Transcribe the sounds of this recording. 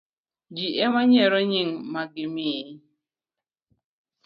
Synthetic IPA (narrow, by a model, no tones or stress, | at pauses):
d͡ʒiʔɛmaɲɛɾɔɲiŋmaɡimi